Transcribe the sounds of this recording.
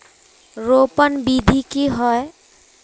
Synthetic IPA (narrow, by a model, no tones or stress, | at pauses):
ɾopənbid̪ʱikiɦɔe